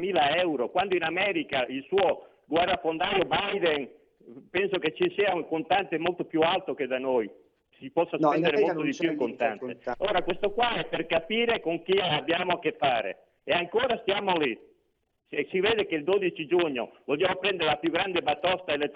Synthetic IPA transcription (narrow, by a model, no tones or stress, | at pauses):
miːlaɛwɾokwand̪oinamɛːɾikaʔilsuːo | ɡwɛrafond̪aːjobajd̪en | pɛnsoket͡ʃːisiːauŋkont̪ant̪emolt̪opjualt̪ok̟ed̪anoj | sipɔsːaspɛnd̪eɾemolt̪od̪ipjuiŋkont̪a̰nt̪eoːɾakwest̪okwaɛperkapiːɾekoŋk̟iabjaːmoakefːaːɾḛ | eaŋkoːɾast̪jaːmoli | ssiveːd̪ekeild̪od̪it͡ʃid͡ʒuɲːo̰volːjaːmopɾɛnd̪eɾelapjuɡɾand̪ebat̪ɔst̪aelet̪